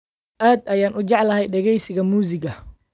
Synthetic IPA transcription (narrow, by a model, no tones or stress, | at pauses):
ʔaːd̪ɐjaːnʔʊd͡ʒɑʕlɐhɛjɖɛɣɛjsɪɣɐmuːsɪɡɐ